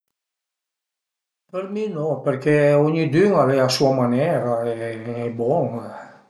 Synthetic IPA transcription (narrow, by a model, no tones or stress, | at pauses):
pəɾminɔ̃pɛɾkeɔɲid̪yŋalɛasuamanɛɾaeːbɔŋ